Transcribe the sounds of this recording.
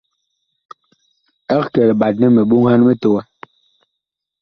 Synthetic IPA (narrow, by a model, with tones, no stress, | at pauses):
ɛ˦˨kɛ˨lɓa˨t̚nɛ˦me˨ɓu˦ŋha˦n˦me˦to˨wɛ˦